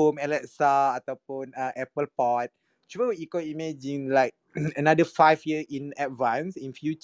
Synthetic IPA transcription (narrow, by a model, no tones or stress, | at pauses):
omɛlɛtsaat̪aʊpũnãʔɛpəlpɔt̚ | t͡ʃuwəwiikwəlimɛd͡ʒĩŋlaɪk̚ | ənadəfajfjəʔĩnɛt̚vãnsĩnfjut͡ʃ